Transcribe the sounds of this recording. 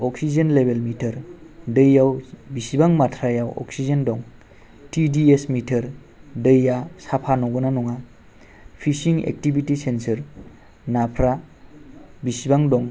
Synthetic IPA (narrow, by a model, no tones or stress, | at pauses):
ɔksid͡ʒenlebelmitʰəɾdəjːawbisibaŋmatʰɾajawɔ̰ksizendɔŋ | tidiesmitʰəɾ | dəjːasapʰanɔɡɯnanɔŋa | pʰisiŋḛk̚tibitisensəɾ | napʰɾa | bisibaŋdɔŋ